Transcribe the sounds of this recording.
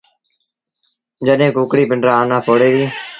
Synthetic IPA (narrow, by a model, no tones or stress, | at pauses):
d͡ʒəɗɦẽːkuːkɽiːpɪɳɖɾaːaːnãːpoːɽeːɾiː